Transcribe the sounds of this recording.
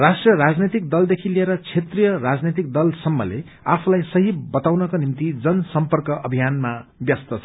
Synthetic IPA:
rasʈrʌɾad͡znet̪ik̚d̪ʌld̪ekʰilieɾʌt͡sʰet̪rijʌrad͡znet̪̬ik̚d̪ʌlsʌmːʌ̰lḛ | apʰulajsʌɦibʌt̪awnʌkonimt̪id͡zʌnsʌmpʌrkʌʔʌbʱijanmabjʌst̪ʌt͡sʰʌ

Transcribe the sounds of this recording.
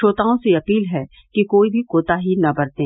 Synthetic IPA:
ʃoːt̪aːõseɐpiːlɦɛ | kikoːibʱikoːt̪aɦinɐbɐɾt̪ẽː

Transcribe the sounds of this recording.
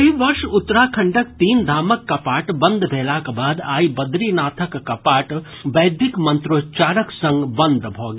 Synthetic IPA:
ɦiʋɐɾʃʊt̪ːɾaːkʰɐɳɖɐk̚t̪iːnd̪ʱaːmɐkːɐpaːʈbɐ̃nd̪ʱbʱeːlaːkabaːd̪aːibɐd̪ɾiːnaːt̪ʰəkːɐpaːʈ | ʋɐjd̪ʱɪkmɐnt̪ɾoːt͡ʃaːɾəksɐ̃ŋɡbɐnd̪ʱbʱoːɡ

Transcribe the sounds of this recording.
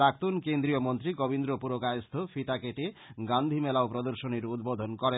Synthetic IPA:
ɾak̚t̪unkend̪ɾiomont̪ɾikobind̪ɾopuɾokajost̪ʰofit̪akeʈeɡand̪ʱimɛlaopɾod̪oɾʃoneɾud̪bod̪ʱonkɔɾe

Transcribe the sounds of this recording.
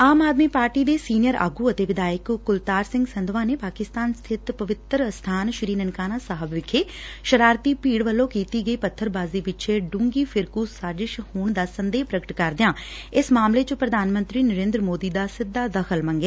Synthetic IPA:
aːmaːd̪miːpaːɾʈiːd̪eːsiːnɪjəɾa̰ːɡuːət̪eːʋɪd̪aːjɪkːʊlt̪aːɾsɪ̃ŋɡsənd̪ʋãːneːpaːkɪst̪aːnst̪ʰɪt̪pəʋɪt̪ɾst̪ʰaːnʃɾiːnənkaːnaːsaɦəbʋɪkʰːeː | ʃəɾaːɾt̪iːpiːɽʋəlːõːkiːt̪iːɡəiːpət̪ʰːəɾbaːziːʋɪt͡ʃʰeɖʊ̃ŋɡiːfʰɪɾkuːsaːd͡ʒɪʃhoːɳd̪aːsənd̪eːpɾəɡəʈkəɾd̪ɪjãː | ɪsmaːmlet͡ʃʊ̃pɾəd̪ʱaːnmə̃nt̪ɾiːnəɾẽːnd̪ɾəmoːd̪iːd̪aːsɪd̪ːaːd̪əxʰəlmə̃ŋɡeː

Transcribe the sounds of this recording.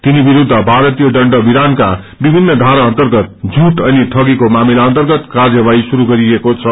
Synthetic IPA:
t̪inibiɾud̪ʱːʌbʱaɾʌt̪ijoɖʌɳɖʌbiɾanka | bibʱinːʌd̪ʱaɾaʌnt̪ʌrɡʌt̪̚d͡zʱuʈʌniʈʰʌɡikomamilaʌnt̪ʌrɡʌt̪kard͡zʌbaisuɾuɡʌɾiekot͡sʰʌ

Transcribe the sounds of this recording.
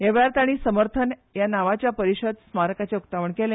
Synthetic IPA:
eʋɭaɾt̪aɽ̃isəməɾt̪ʰənjanaʋat͡ɕjapəɾiɕəd̪smaɾəkat͡ɕeukt̪aʋəɳkele

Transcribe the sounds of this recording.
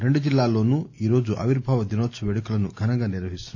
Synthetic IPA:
ɾe̞ɳɖud͡ʒilːaːlo̞ːnuiːɾo̞ːd͡ʒuʔɐ̰ʋiɾbʱaːʋɐd̪inoːtːsɐʋeːɽɐkulɐnuɡʱɐnɐŋɡaːniɾʋɐɦist̪unː

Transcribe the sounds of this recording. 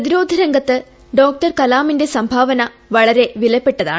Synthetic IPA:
ɐðiɾo̞ːd̪ʱɐɾɐŋɡɐt̪ːɨ | ɖo̞ːk̚ʈɐrkɐlaːminde̞sɐmbʱaːʋɐnɐ | ʋɐɭɐɾe̞ʋilɐpːe̞ʈːɐða̰ːɳ

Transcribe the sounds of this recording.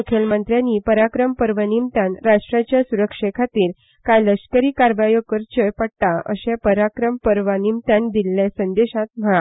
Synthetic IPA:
ukʰelmənt̪ɾjaniːpəɾakɾəmpəɾʋənimt̪ãnɾaʂʈɾat͡ɕjasuɾəkʂekʰat̪iːɾ | kajləskəɾiːkaɾʋajokəɾt͡ɕəjpaɽt̪aə̰ɕẽpəɾakɾəmpəɾʋanimt̪ãnd̪ilːasənd̪eɕãt̪̚m̤əɭa

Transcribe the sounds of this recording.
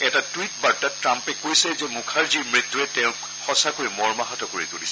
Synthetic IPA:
ɛtatwit̚baɹtatɹampɛkojsɛzɛmukʰaɹziɹmɹit̪ːuɛtɛ̃ʊ̃ | xɔsakoɹimɔɹmaɦatɔkoɹitolisɛ

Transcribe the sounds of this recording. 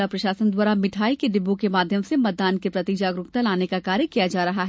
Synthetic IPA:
apɾɐʃaːsənd̪waːɾamɪʈʰaːikeɖɪbõkemaːd̪ʱjəmsemɐt̪̚d̪aːnkepɾɐt̪id͡ʒaːɡɾʊkt̪alaːnekakaːɾjəkijad͡ʒaːɾɐɦaɦɛ

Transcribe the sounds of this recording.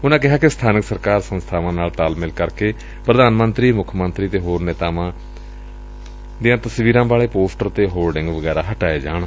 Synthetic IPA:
ʊnãːkɪɦaːkɪst̪ʰaːnəksəɾkaːɾsənst̪ʰaːʋãːnaːlt̪aːlmɪlkəɾkeː | pɾəd̪aːnmənt̪ɾiːmʊkʰːmənt̪ɾiːt̪eːɦoːɾnɛːt̪aːʋãː | d̪ijãːt̪əsʋiːɾãːbaːɭeːpoːsʈəɾt̪eːɦoːlɖɪ̃ŋɡʋəɡɛːɾaːɦəʈaːeːd͡ʒa̰ːɳ

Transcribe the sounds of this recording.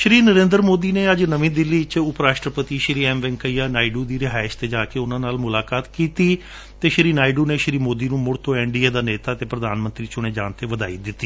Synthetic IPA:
ʃɾiːnəɾẽːnd̪əɾmoːd̪iːneːəd͡ʒnəʋĩːd̪ɪlːiːt͡ʃʊpɾaːʃʈɾəpət̪iːʃɾiːɛːmʋɛ̃ŋkəiːaːnaːɪɖuːd̪iːɾɪɦaːɪst̪eːd͡ʒaːkeːʊnãːnaːlmʊlaːkaːt̪kiːt̪iː | t̪eːʃɾiːnaːɪɖuːneːʃɾiːmoːd̪iːnũːmʊɽt̪ʰõːɛːɳɖiːeːd̪aːneːt̪aːət̪eːpɾəd̪aːnmənt̪ɾiːt͡ʃʊɽ̃eːd͡ʒa̰ːnt̪eːʋəd̪a̰ːḭːd̪ɪt̪ːiː

